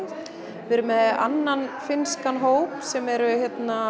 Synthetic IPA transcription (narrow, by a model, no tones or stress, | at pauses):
vɪɾʏmɛða̰nːanfɪnskanɦoːwpsɛmɛɾʏçjɛt̪na